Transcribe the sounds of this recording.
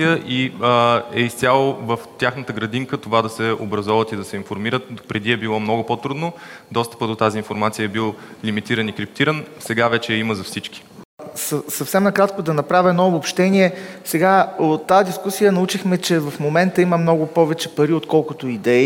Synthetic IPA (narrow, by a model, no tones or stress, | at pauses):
ijəʔi | ɛist̪sʲjalˠovəft̪ʲjaxnət̪əɡɾɐd̪iŋkət̪ovad̪ɐsɛobɾɐzɔvət̪id̪ɐsɛinfoɾmiɾət̪̚pɾɛd̪iɛbilˠɔmnɔɡʊpot̪ɾud̪nod̪ɔst̪ə̥pəd̪ot̪azinfoɾmat̪sijəɛbilˠlimit̪iɾənikɾip̚t̪iɾənsɛɡavɛt͡ʃɛɛiməzɐfsit͡ʃki̥səsɐfsɛmnɐkɾat̪kod̪ɐnɐpɾavʲəɛnɔobopʃt̪ɛniɛsɛɡaot̪ːaəd̪iskusijənɐut͡ʃixmɛt͡ʃɛvɐfmomɛnt̪əiməmnɔɡʊpɔvɛt͡ʃɛpɐɾiot̪kɔlˠkʊt̪oid̪ɛi